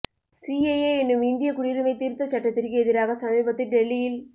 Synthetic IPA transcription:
sieeːɛnːɯmɪnd̪ɪjɐkʊɽiɾɯmɐɪt̪ːiːɾt̪ːɐt͡ʃːɐʈːɐt̪ːɪrkɯɛðɪɾaːɣɐsɐmiːbɐt̪ːɪlɖɛlːɪjɪl

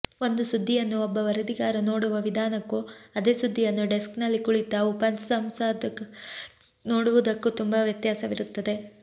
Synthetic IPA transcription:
o̞nd̪usud̪ʱːijɐnːuɔbːɐʋɐɾɐd̪iɡaːɾɐno̞ːɽuʋɐʋid̪ʱaːnɐkːuɐd̪e̞ːsud̪ʱːijɐnːuɖesknɐlːikuɭit̪ɐupɐnsɐmsaːd̪ɐ | noːɽuʋud̪ɐkːut̪umbɐʋjɐt̪jaːsɐʋiɾut̪ːɐd̪e̞

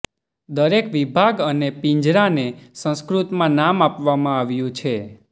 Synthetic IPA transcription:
d̪əɾekʋibʱaɡənepĩɲd͡ʒɾanesə̃skɾut̪mãnamapʋamãaʋjũt͡ʃʰe

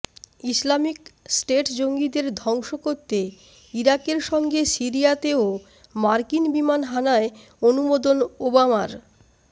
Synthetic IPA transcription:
islamiksʈeʈd͡ʑoŋɡid̪eɾd̪ʱɔŋʃokoɾt̪ːe | iɾakeɾʃɔŋɡesiɾijat̪eo | maɾkinbimanɦanae | onumod̪onobamaɾ

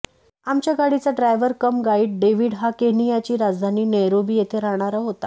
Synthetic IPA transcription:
amt͡ɕjaɡaɽit͡saɖɾajʋəɾkəmɡaiːʈ̚ɖeʋiːɽɦakeɦɳijat͡ɕiːɾad͡zd̪ʱaniːnəjɾobiːjet̪ʰeɾaɦɽ̃aɾaɦot̪a

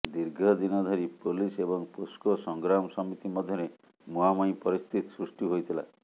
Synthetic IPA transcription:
d̪iɾɡʱɔd̪inɔd̪ʱɔɾipolisebɔŋposkɔsɔŋɡɾamɔsɔmit̪imɔd̪ʱjɔɾe | muamɔj̃pɔɾist̪ʰit̪sɾusʈiɦojt̪ʰila̰

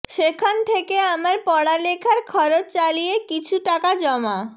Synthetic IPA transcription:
ʃekʰant̪ʰekeamaɾpɔɽalekʰaɾkʰɔɾot͡ɕt͡ɕalijekit͡ɕʰuʈakad͡ʑɔma

